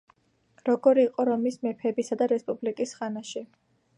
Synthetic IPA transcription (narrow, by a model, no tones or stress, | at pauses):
ɾɔɡɔɾiːqʼɔɾɔmismɛpʰɛbisad̪aɾɛspʼublikʼisχanaʃi